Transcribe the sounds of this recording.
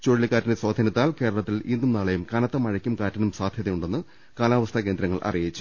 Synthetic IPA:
t͡ɕoːɻilikaːtːɐneswaːd̪ʱɐnit̪ːaːlke̞ːɾɐɭɐt̪ːilinːumnɐːɭɐjumkɐnɐt̪ːɐmɐɻɐkʲːumkaːtːɐnumsaːd̪ʱjɐðɐjmuɳɖe̞nːɨ | kaːlaːʋɐst̪ʰɐk̬e̞ːnd̪ɾɐŋːɐɭʔɐ̰rijit͡ɕːu̥

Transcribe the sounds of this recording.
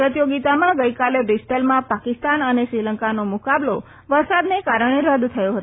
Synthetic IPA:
ɾət̪joɡit̪amãɡəjkalebɾisʈəlmãpakɪst̪anəneʃɾiləŋkanomukablo | ʋəɾsad̪nekaɾəɳ̃eɾəd̪t̪ʰəjoɦət̪

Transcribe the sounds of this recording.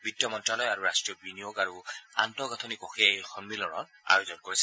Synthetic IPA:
bidjɔmɔntɹalɔjaɹuɹastɹijɔbinijoɡaɹua̰ntɔɡɔtʰɔnikɔxeejxɔnbilɔɹɔ̰n | a̰jozɔnkoɹisɛ

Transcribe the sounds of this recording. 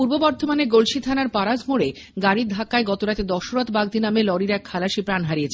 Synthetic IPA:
uɾbobɔɾt̪omaneɡolʃit̪ʰanaɾpaɾad͡ʑmoɾe | ɡaɾid̪ʱakaeɡɔt̪oɾat̪ed̪ɔʃoɾot̪baɡd̪ʱinamelɔɽiɾɛkʰːalaʃipɾanɦaɾijet͡ɕʰe

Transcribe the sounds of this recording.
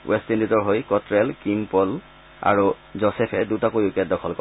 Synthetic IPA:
wʔɛstinditɔɹɦojkɔtɹɛlkimpɔl | a̰ɹu | zɔsɛpʰɛdutakojukɛt̚dɔkʰɔlkɔ

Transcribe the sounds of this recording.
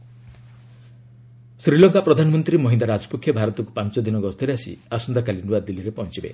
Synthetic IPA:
sɾilɔŋkapɾɔd̪ʱanɔmɔnt̪ɾimɔɦind̪aɾad͡ʒɔ̥pukʰjɔbʱaɾɔt̪ɔkupant͡ʃɔd̪inɔɡɔst̪ʰɔɾeasḭasɔnd̪akalinuad̪iliɾepɔnt͡ʃibḛ

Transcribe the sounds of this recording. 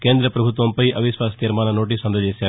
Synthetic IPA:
keːnd̪ɾɐpɾɐbʱut̪ʋɐmpɐjʔɐʋiʃʋaːst̪iɾmaːnɐnoːʈ̬iːsɐnd̪ʱɐd͡ʒeːsaː

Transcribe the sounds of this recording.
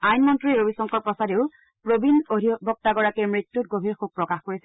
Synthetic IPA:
ajnmɔntɹiɹobisɔŋkɔɹpɹɔsadeʊ | pɹobinodʱibɔk̚taɡɔɹakiɹmɹitːut̚ɡobʱiɹxub̚pɹɔkaxkoɹisɛ

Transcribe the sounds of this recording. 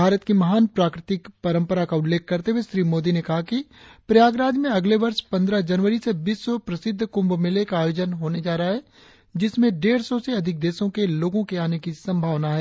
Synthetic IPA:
bʱaːɾət̪kimɐɦaːnpɾaːkɾɪt̪ɪkpɐɾə̃mpəɾakaʊllːeːk̚ːɐɾt̪eɦuweʃɾiːmoːd̪inekɐɦakipɾɐjaːɡɾaːd̪mẽɐɡleʋɐɾʃpɐ̃nd̪ɾəd͡ʒɐnʋəɾisebiːsːɔpɾɐsɪd̪ʱːkʊ̃mbmɪlekaːjoːd͡ʒənɦoːned͡ʒaːɾəaɦɛː | d͡ʒɪsmẽɖeːɾsɔseɐd̪ʱɪk̚d̪eːsõkeloːɡõkeaːnekisɐ̃mbʱaːʋnaɦɛː

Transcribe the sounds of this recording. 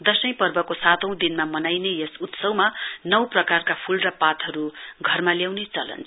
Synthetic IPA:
d̪ʌsʌj̃pʌrbʌkosat̪ʌ̃w̃d̪inmamʌnajnejʌsut̪sʌwmanʌwprʌkarkapʰulrʌpat̪ʰʌɾuɡʱʌrmaljawnet͡sʌlʌ̰nt͡sʰ

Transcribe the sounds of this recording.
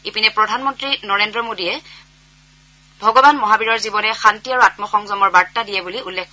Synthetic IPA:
epinɛpɹɔdʱanmɔntɹinɔɹendɹɔmodijɛ | bʱɔɡɔbanmɔɦabiɹɔɹzibɔnɛxantiaɹuatmɔxɔŋzɔmɔɹbaɹtadijɛbuliulːekʰ

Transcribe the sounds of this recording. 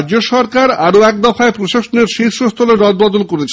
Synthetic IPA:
d͡ʑoʃɔɾkaɾaɾoɛk̚d̪ɔfaepɾoʃaʃoneɾʃit̪ʃost̪ʰɔleɾɔd̪̚bɔd̪olkoɾet͡ɕʰ

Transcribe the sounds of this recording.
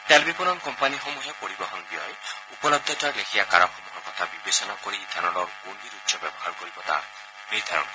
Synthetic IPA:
t̪albipunɔnkɔmpaniɦomuɦepoɾibɔɦɔnbiɔjupɔlɔb̚d̪ʱɔtaɾlekʰiakaɾɔxʰɔmuɦɔkɔt̪ʰabibesɔnakɔɾid̪ʱanɔlɔkoniɾut̪ʃjɔbjɔbɔɦaɾkɔɾibɔt̪a̰ | mejd̪ʱaɾɔ̰n

